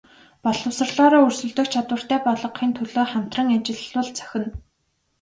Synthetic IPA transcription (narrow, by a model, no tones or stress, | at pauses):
pɔɮɞ̆wsə̆rɮɔːɾɔːɵrsɵ̆ɮt̪ɵ̆kt͡ɕʰat̪wə̆r̥t̪ʰæːpɔɮɞ̆qːiːnt̪ʰɵɮoːχam̥t̪rə̆ŋat͡ɕɪ̆ɮʊ̆ɮt͡sʰœ̥xʲɪ̆n